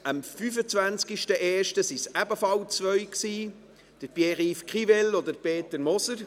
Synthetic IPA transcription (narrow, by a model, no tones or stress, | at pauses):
əmfyfət͡svænt͡skiʃtəʔɛːʃtəsisæbəfɑlt͡svœʏksiː | d̥əɾpjɛʁifkʁivɛlɔd̪əpeːt̪əɾmɔsəɾ